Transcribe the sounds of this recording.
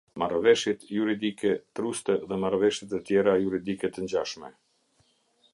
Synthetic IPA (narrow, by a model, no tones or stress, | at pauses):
marvɛʃjit̪juɾid̪ikɛt̪ɾust̪ɛðɛmaɾvɛʃjit̪ət̪jɛɾajuɾid̪ikɛt̪əɲd͡ʑaʃmɛ